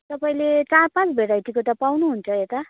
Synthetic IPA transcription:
t̪ʌpaĩlet͡sarpãt͡sbʱeɾajʈ̪ikot̪ʌpawnuɦunt͡sʰʌet̪ʌ

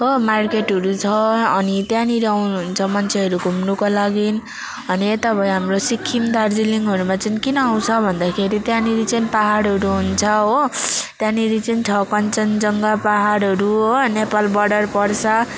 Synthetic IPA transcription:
ɦomarkeʈɦʌɾut͡sʰʌːnit̪jãniɾawnɦunt͡sʰʌmʌnt͡sʰeɦʌɾuɡʱumnukolaɡin | ʌniet̪ʌpʌ̃j̃ɦamrosikʰːimd̪ʱard͡ziliŋɡʌɾumat͡sʌĩnkinʌaw̃t͡sʰʌbʱʌnd̪akʰeɾit̪jãniɾit͡sʌĩnpaɦaɽɦʌɾuɦunt͡sʰʌɦot̪jãniɾit͡sʌinʈʰʌkʌnt͡sʌnd͡zʌŋɡapaɦaɽɦʌɾuonepalbʌɖʌrpʌrt͡sʰʌ

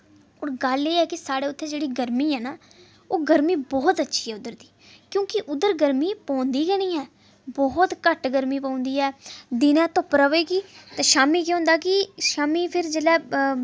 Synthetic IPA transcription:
oːɾɡəleːɛːkɪsaːɽeːʊt̪ʰːẽːd͡ʒeːɽiːɡəɾmiːɦɛːnaː | oːɡəɾmiːbɔːt̪ətːʃʰiːɦɛːʊd̪əɾd̪iː | kjõːkɪʔʊd̪əɾɡəɾmiːpɔ̃ːnd̪iːɡəɽ̃iːɦɛː | bɔːt̪kəʈɡəɾmiːpãːʊ̃nd̪iːɦɛːd̪ɪnɛ̃ːt̪ʊpɾəʋeːɡiːt̪ãːʃaːmiːk̬eɦʊ̃nd̪aːkɪʃaːmiːpʰɪɾd͡ʒeːlɛː

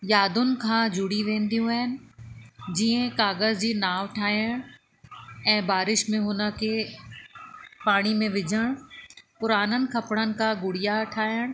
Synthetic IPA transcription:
jaːd̪ʊnɪ̆kʰãːd͡ʑʱʊɽiʋẽːnd̪ijũəɦɪnɪ̆ | d͡ʑiːẽkaːɣəzd͡ʑiːnaːʋʈʰaːjəɽ̃ | ɛ̃ːbaːɾɪʃmẽɦʊnəkʰe | paːɽ̃imẽʋɪd͡ʑʱəɽ̃pʊɾaːnənɪ̆kʰɐpɽ̃ənɪ̆kaɡʊɽijaʈʰaːjəɽ̃

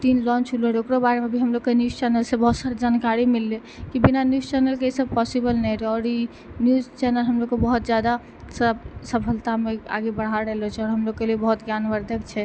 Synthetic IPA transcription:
t̪inlɔ̃nt͡ʃʰuleɾokɾobaɾemebʱiɦəmloɡkenjust͡ʃɛnəlsebɔɦsəɾd͡ʒankaɾimilːe | kibinanjust͡ʃɛnəlkeisəb̚pɔsibəlnɛɾɛɔːɾi | njuzt͡ʃɛnəlɦəmlokkːebəɦut̪d͡ʒjad̪a | səbsəpʰəlt̪amea̰ɡebəɽ̤aɾɛlɔt͡ʃʰɛɔːɾɦəmloɡkeleebəɦut̪ɡjanʋəɾd̪ʱəkt͡ʃʰɛ

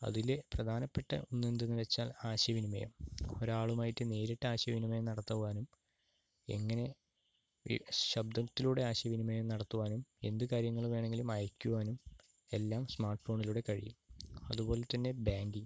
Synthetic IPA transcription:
ɐ̰ðileprɐd̪ʱaːnɐpːe̞ʈːɐ̰onːend̪enːɨʋe̞t͡ɕːaːlaːɕjɐʋinimɐ̰jɐ̰mo̞ɾaːɭumaːjitːɨne̞ːɾiʈːɨaːɕjɐʋinimɐjɐmnɐɽɐt̪ːɐʋuʋaːnum | e̞̰ŋːɐne̞ | ɕɐbd̪ɐt̪ːiluːɽe̞aːɕjɐʋinimɐjɐmnɐɽɐt̪ːuʋaːnume̞nd̪ɨkaːɾjɐŋːɐɭʋe̞ːɳe̞ŋɡilumɐjɐkʲːuʋaːnum | e̞lːaːmsmaːrʈːfo̞ːɳiluːɽe̞kɐɻḭjumɐ̰ðubo̞ːlet̪ːɐnːe̞baːŋɡi

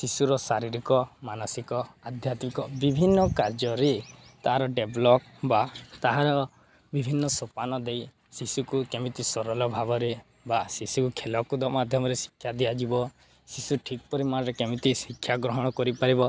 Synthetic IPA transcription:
sisuɾɔsaɾiɾikɔmanɔsikɔad̪ʱjat̪mikɔbibʱinːɔkaɾd͡ʒɔɾet̪aɦaɾɔɖeblɔk̚ | bat̪aɦaɾɔ | bibʱinːɔsopanɔd̪ej | sisukukemit̪isɔɾɔlɔbʱabɔɾe | basisukukʰelɔkud̪ɔmad̪ʱjɔmɔɾesi̥kʰːjad̪iad͡ʒibɔ | sisuʈʰikɔpɔɾimaɾekemit̪isikʰːjaɡɾɔɦɔɽ̃ɔkɔɾipaɾibɔ

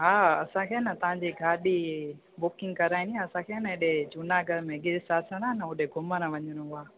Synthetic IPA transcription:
ɦaːɐsãkʰeːnɐt̪ɐʋ̤ãɲd͡ʑiɡʱaːɗi | bʊkɪ̃ŋɡkɐɾaːĩnd̪iɦãɐsãkʰeːnɐeɗet͡ɕʊnaɡʱɐɾmẽɡɪɾsaːsʰəɽanɐʊɗeɡʱʊməɾãʋɐɲəɾ̃ũɦʊaː

